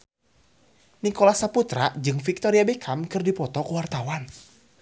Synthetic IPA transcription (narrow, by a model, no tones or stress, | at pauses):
nikolasaput̪ɾad͡ʒɨŋfik̚t̪ɔɾiabekʰamkɨrdipɔt̪ɔkuwart̪awan